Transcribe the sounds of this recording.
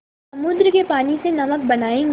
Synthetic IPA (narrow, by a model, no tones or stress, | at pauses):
ɐmʊd̪ɾkepaːnisenɐmək̚bɐnaːẽ